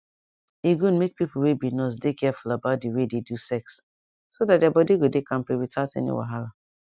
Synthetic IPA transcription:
iɡũnmek̚pipuwebinɔs̬dekɛfulabaʊt̚diwededusɛksː | odat̚dabɔdiɡodekãmpeɹitatɛ̰nḭwa̰ɦala

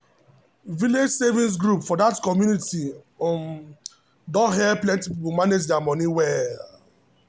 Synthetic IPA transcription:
viled͡ʒsevĩns̬ɡɹupfɔdatkɔmjunitim | dɔɦɛplɛ̃ntipipomaned͡ʒdɛamɔniwɛl

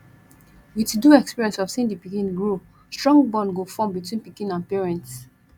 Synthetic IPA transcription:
witduɛkspiɹiɛ̃nsɔv̥sĩndipikĩnɡɹo | stɹɔ̃ŋɡbɔ̃nɡofɔ̃mbitwĩnpikĩnãnpiɹɛ̃nts

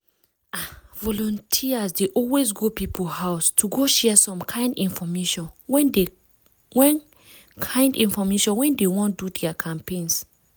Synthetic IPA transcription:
avɔlɔ̃ntʰiasdeʔɔlwes̬ɡopipʰohaʊstʰuɡoʃɛsɔ̃mkʰãɪ̃ndĩnfɔmeʃɔ̃nwɛ̃nde | wɛ̃n | kʰãɪ̃ndĩnfɔmeʃɔ̃nwɛ̃ndewɔ̃ndudɛakʰãmpẽns

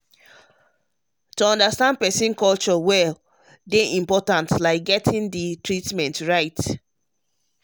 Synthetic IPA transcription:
toɔ̃ndastãnd̚pɛsĩnkɔlt͡ʃɔwɛl | deʔĩmpɔtãntlaɪk̚ɡɛtʰĩnditʰɹitmɛ̃ntɹaɪt

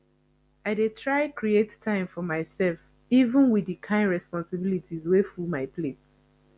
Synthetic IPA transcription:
aɪdetʰɹaɪkɹiettʰːãɪ̃mfɔmaɪsɛlf | ivə̃nwidikʰãɪ̃nɹɛspɔ̃nsɪbilitʰizwefumaɪpʰlet

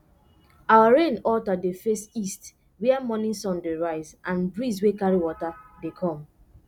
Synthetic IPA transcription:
awaɹẽnɔltadefestist | wɛɛmɔnĩnsɔ̃ndeɹaɪzãnbɹizwekaɹiwɔtadekʰɔ̃m

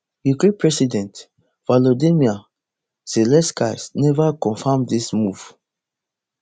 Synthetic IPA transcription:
jukepɹɛsidɛ̃nt | valodimia | selɛ̃ska̰snɛvakɔ̃nfamdismuv̥

